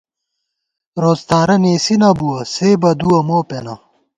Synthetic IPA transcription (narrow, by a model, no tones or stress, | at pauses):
ɾoːzt̪aːɾɐneːsinɐbuɐseːbɐd̪uɐmoːpenɐ̰